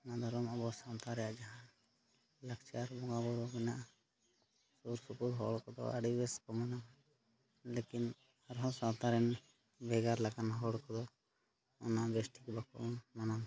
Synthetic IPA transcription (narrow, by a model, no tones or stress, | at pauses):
nad̪ʱɔɾɔmɔbɔsawt̪aɾɛjaʔd͡ʒaɦãn | lakt͡ʃaɾbɔŋɡabɔɾɔbɛnaʔ | suɾsukuɾɦɔ̰ɽkɔd̪ɔ̰a̰ɖibɛskɔmana | lekin | aɾɦɔ̃sawt̪aɾɛn | bɛɡaɾlaɡanɦɔɽkɔd̪ɔ | ɔ̰naʔbesʈikbakɔ̰ʔmanan